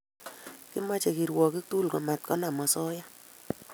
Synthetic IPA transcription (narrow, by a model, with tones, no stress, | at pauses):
kɪ˦ma˦t͡ʃe˨ki˨ɾwɔ˨ki˦k̚t̪u˦lkɔ˨ma˨t̪̚kɔ˦na˨mɔ˨sɔ˦ja˦